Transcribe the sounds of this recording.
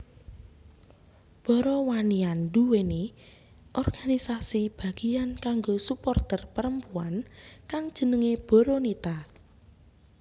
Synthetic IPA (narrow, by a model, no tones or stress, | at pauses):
b̥ɔɾɔwanianduwene | ʔɔrɡ̥anisasib̥a̤ɡ̥i̤ankaŋɡosupɔrt̪ərpəɾəmpuankaŋd̥ʒ̥ə̤nəŋeb̥ɔ̤ɾɔnit̪a